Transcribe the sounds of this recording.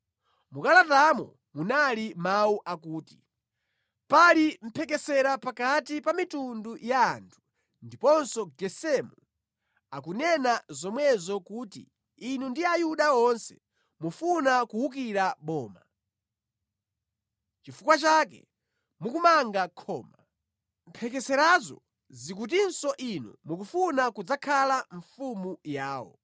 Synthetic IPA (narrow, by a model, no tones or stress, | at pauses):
mukalatamɔ | munalimauʔakuːti | palim̩pʰɛkɛsɛɾapakatipamitundujaːntʰu̥ | ndipɔnsɔɡɛsɛmu | akunɛnazɔmwɛzɔkuːtḭ | inundiajuɗaɔnsɛ̰ | mufunakuhuk̬iɾaɓɔːma̰ | t͡ʃifukwat͡ʃakɛ̰ | mukumaŋɡakʰɔːma | mpʰɛk̬ɛsɛɾazɔ̰ | zikut̬insɔʔinṵmukufunakud͡zakʰalaɱfumujaːwɔ̰